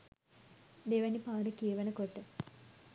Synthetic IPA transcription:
d̪eʋɐnipaːɖəkiɐʋɐnəkoʈːə

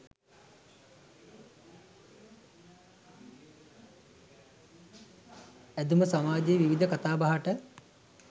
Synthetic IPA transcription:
æd̪uməsamaːd͡ʒeːʋiʋid̪ʱəkat̪aːbaɦaʈə

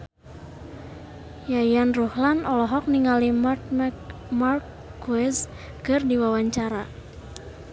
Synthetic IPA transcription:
jajanruhlanɔlɔɦɔk̚niŋali | markː | uɛs | kɨrdiwawaɲt͡ʃaɾa

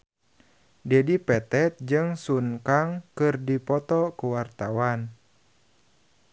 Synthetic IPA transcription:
dɛdipɛt̪ɛt̪̚d͡ʒɨŋsunkaŋkɨrdipɔt̪ɔkuwart̪awan

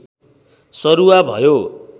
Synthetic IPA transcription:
sʌɾuabʱʌjo

